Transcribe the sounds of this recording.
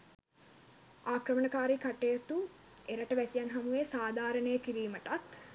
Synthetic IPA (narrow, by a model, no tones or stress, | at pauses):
aːkrəmənəkaːɾikaʈejət̪u | eɾəʈəʋæsijanɦamuʋesaːd̪ʱaːɾənəjəkiɾiːməʈat̪